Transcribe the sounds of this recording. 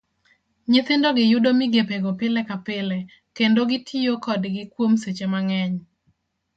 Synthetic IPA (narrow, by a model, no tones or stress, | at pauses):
ɲɪt̪ɪndɔɡɪjʊdomɪɡepeɡopɪlɛkapɪlɛ | kendoɡɪtʰijokɔdɡɪkwomset͡ʃemaŋɛɲ